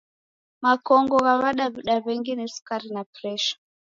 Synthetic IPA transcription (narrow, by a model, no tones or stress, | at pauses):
makɔŋɡɔɣaβaɗaβiɗaβɛŋɡinisu̥kaɾinapɾɛʃḁ